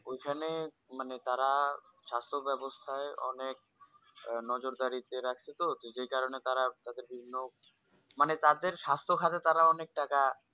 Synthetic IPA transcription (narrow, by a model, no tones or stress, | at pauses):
ojkʰane | manet̪aɾa | ʃast̪ʰobɛbost̪ʰaeʔɔ̰nek̚ | nɔd͡ʑoɾd̪aɾit̪eɾakʰt͡ɕʰet̪oed͡ʑejkaɾonet̪aɾat̪ad̪eɾbʱibʱinːo | manet̪ad̪eɾʃast̪ʰokʰat̪et̪aɾaɔnek̚ʈaka